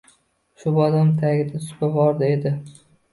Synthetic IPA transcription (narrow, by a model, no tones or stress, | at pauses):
ʃʊbɒd̪amt̪ʰaɡʲɪd̪at̪ʰʊ̥kʲabɒɾd̪ɪed̪ɪ